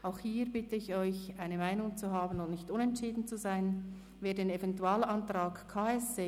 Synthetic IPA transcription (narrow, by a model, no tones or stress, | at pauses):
ʔaʊxhiːʁbɪtəɪçɔʏçʔaɪnəmaɪnʊŋt͡suɦaːbn̩ʊnʔnɪçtʊnɛntʃiːdən̩t͡suzaɪn | veːdeːnevɛntuaːlantɾaːkkʰaːɛsde